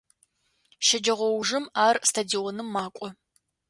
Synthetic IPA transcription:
ʃɐd͡ʒɐʁʷɔwʒɨmaːrstʰadiɔnɨmːaːkʷʼɔ

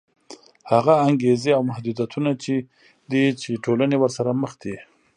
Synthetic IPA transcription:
haɣaːŋɡezeawmahd̪ud̪jat̪ʰunat͡ʃe | d̪it͡ʃeʈʰolanewəɾsaɾaməxd̪i

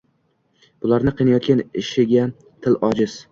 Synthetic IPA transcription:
b̥ʊlˠaɾnɪqʰɨjnajɒt̪̚kʲanɪʃɪɡʲa | t̪ʰɪlɒd͡ʒɪz̥

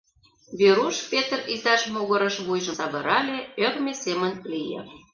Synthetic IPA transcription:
βeɾuʃpet̪ərizɑʃmoɣə̆ɾə̆ʃβujʒə̆sɑβɤ̆ɾʔɑlʲeørmʲesemə̆nlijḛ̆

